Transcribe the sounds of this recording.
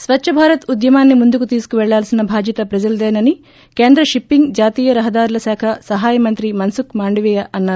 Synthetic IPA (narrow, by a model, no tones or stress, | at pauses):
sʋɐt͡ʃʃʰɐbʱaːɾɐt̪ud̪jɐmaːnːimund̪ukut̪iːsu̥kuʋɛɭːaːlsinɐbʱaːd͡ʒ̪jɐt̪ɐpɾɐd͡ʒɐld̪ɛːnɐni | keːnd̪ɾɐʃipːiŋɡd͡ʒaːt̪iːjɐɾɐɦɐd̪aːɾulɐsaːkʰɐsɐɦaːjɐmɐnt̪ɾimɐnsukmaːɳɖiʋɛjɐʔɐnːaːɾu